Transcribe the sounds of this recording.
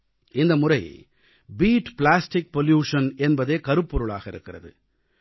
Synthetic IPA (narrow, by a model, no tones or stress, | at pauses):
ɪnd̪ɐmʊrɐj̰ | biːʈplaːsʈɪk̚pɔljuːʂɐnɛnbɐðeːkɐɾɯpːɔɾɯɭa̰ːɣɐɪɾɯkːɪrɐ̰ðɯ̰